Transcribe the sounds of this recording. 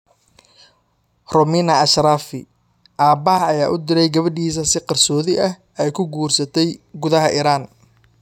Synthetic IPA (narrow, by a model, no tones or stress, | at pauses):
rɔminɐɐʃɾaːfɪ̰ | ʔaːbaːɐjaːʔʊd̪ɪɾɛjɡɐβɐɖiːs̬ɐsɪqɑrsɔːðɪʔɐh | ɛjkʰʊɡuːrsɐt̪ʰɛjɡʊðɐɦɐʔiːɾaːn